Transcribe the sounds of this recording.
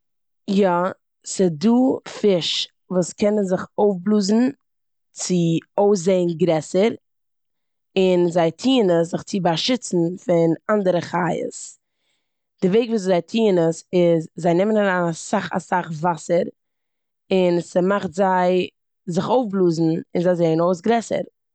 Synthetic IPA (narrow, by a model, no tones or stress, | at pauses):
jɔ | sɪduːfɪʃ | vuːskɛnənzɪχoʊfblˠuːzn̩ | t͡sɪoʊs̬zeɪənɡɾɛsəɾ | ɪnzaɪtʰiːnəs̬zɪχt͡sɪbaʃɪt͡sn̩fɪnandəɾəχajə̰s | d̥ɪveɪkvuːs̬zaɪtʰiːnəsɪzzaɪnɪmənaɾanasaχa̰saχvasəɾ | ɪnsəmaχtzaɪ | zɪχoʊfblˠuːzn̩ɪnzaɪzeɪənoʊs̬ɡɾɛsə̰ɾ